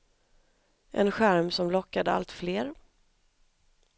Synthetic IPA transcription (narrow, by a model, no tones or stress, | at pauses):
ʔɛ̰nɧæɾmsɔmlɔkːad̪əa̰lt̪fleːɾ